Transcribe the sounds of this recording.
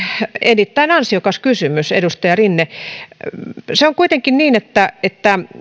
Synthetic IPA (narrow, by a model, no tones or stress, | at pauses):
enːit̪ːæinɑnsiokɑskysymysḛdust̪ɑjɑrinːe | seoŋkuit̪eŋkinniːnet̪ːæet̪ːæ